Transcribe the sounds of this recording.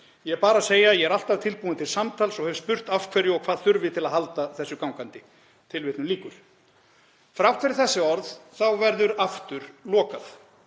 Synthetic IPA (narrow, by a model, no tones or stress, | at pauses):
jɛɛpaːɾaseːjajɛɛɾal̥t̪avt̪ʰɪlpuːanɪt̪ʰɪlsamt̪ʰalsɔɣhɛvspʏr̥t̪afkʰvɛɾjʏɔkʰv̥aːðθʏɾvɪt̪ʰɪlaðɦalt̪aθɛsːʏkawŋkant̪ɪ | t̪ʰɪlvɪːt̪nʏliːkʏɾ̥ | fɾawkʰvɛɾɪθɛsːɪɔɾðθawvɛɾðʏɾaft̪ʏɾ̥lɔːkaθ